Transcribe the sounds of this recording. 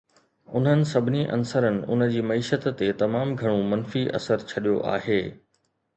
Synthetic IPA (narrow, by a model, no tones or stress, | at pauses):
ʊn̤ənɪ̆sɐbʱɪniʔɐ̰nsəɾənɪ̆ʊ̰nə̆d͡ʑiːmɐiːʃət̪ːet̪ɐmaːmɡʱɐɽ̃õmɐnfiʔɐ̰səɾt͡ɕʰɐɗijo̰ʔa̰ːɦeː